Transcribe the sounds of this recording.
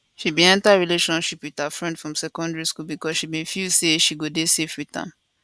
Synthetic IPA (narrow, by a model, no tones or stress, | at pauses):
ʃibĩɛ̃ntaɹileʃɔ̃nʃipwiðafɹɛ̃ndfɹɔ̃msɛkɔ̃ndɛɹiskulbikɔsʃibĩnfilseʃiɡodesefwitã̰m